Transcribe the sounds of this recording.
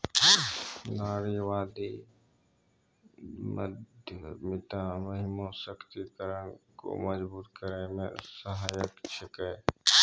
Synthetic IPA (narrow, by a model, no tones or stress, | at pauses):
naːɾiʋaːd̪i | mə̰d̪ʱjəmɪt̪amɐɦɪmõsəkʰt̪ikəɾənko̰mɐd͡ʒbuːt̪kəɾemḛ̃sɐɦaːjəkt͡ʃʰɪke